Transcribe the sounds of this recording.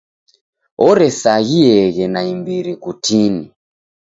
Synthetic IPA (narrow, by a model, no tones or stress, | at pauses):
ɔɾɛsaɣiɛɣɛnaimbiɾikutini